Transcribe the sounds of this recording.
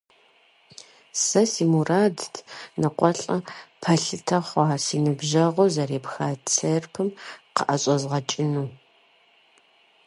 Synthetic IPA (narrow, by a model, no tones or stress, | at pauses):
sɐsiːmuraːdtʰnɐqʷʼɔɬʼɐpʰɐɬɨtʰɐχʷɑːsiːnɨbʒɐʁʷɔzɐɾeːpxaːt͡sʰerpʰɨmqə̰ʔɐɕʼɐzʁɐt͡ʃʼɪnuː